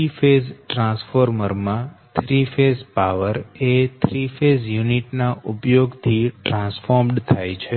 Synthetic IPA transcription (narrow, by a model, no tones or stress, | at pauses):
ifezʈɾãsfoɾməɾmãt̪ʰɾifezpaʋəɾet̪ʰɾifezjuniʈnaʔupjoɡt̪ʰiʈɾãsfoɾmɖt̪ʰajt͡ʃʰe